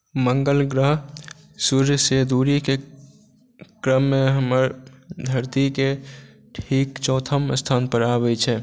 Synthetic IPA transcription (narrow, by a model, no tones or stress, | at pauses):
mə̃ŋɡəlɡɾəɦ | suɾjseːd̪uːɾike | kɾəmːẽɦəməɾd̪ʱəɾt̪ike | ʈʰiːkt͡ʃɔ̃ːt̪ʰəmst̪ʰaːnpəɾaːbəit͡ʃʰɛː